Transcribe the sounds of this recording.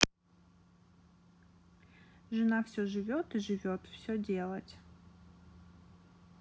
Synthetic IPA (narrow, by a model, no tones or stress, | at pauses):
ʐɨnafsʲoʐɨvʲot̪ɨʐɨvʲot̪fsʲodʲe̞lˠətʲ